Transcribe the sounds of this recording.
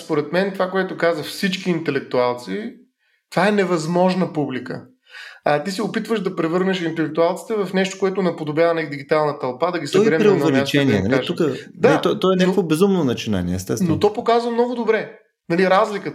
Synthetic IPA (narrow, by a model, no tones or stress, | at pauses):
spoɾɛt̪mɛnt̪ovakoɛt̪ʊkazəxfsit͡ʃkiːnt̪ɛlɛk̚t̪ualˠt̪si | t̪ovaɛnɛvɐzmɔʒnəpublikə̰ | t̪isɛʊpit̪vəʒd̪ɐpɾɛvɤɾnɛʃint̪ɛlɛk̚t̪ualˠt̪si̥t̪ɛvɐfnɛʃt̪o̥koɛt̪ʊnɛpod̪objavənid̪iɡit̪alˠnət̪ɐlˠpad̪ɐɡʲisɐɔɛɾɛmp̪ɾiɛnvɛmiat͡ʃɛniɛnɛaʒukəd̪aɛt̪ɔt̪ɔɛnʲakvobɛzumnonɐt͡ʃina̰niɛ̰ɛ̰st̪ɛsnnot̪ɔpokazvəmnɔɡʊd̪obɾɛ | nɐliɾazlikə